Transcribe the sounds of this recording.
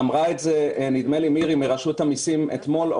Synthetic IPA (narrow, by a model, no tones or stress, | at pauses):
amʁaetzenid̪melimiʁimeʁaʃut̪hamisimḛt̪mo̞l